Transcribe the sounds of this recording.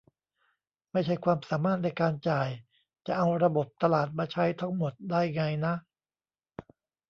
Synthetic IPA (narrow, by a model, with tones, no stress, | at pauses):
ma˥˩jt͡ɕʰa˥˩jkʰwaː˧msaː˩˦maː˥˩t̪̚na˧jkaː˧nt͡ɕaː˨˩j | t͡ɕa˨˩ʔa˧wɾa˧bo˨˩p̚t̪a˧laː˨˩t̪̚maː˧t͡ɕʰa˦˥jt̪ʰa˦˥ŋmo˨˩t̪̚daː˥˩jŋa˧jna˦˥ʔ